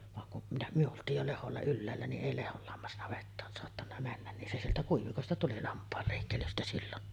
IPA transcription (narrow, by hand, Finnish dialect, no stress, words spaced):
ʋɑŋ kuʔ minæ myø oltˑiːj jo leholːɑ ylːæːlːæ niʔ ʔeˑi lehol lɑmːɑsnɑʋetːɑːn soɑtːɑnːɑ mænːæn nin se sieltæ kuiʋikostɑ tuli lɑmpˑɑːl leˑikːelystæ silːon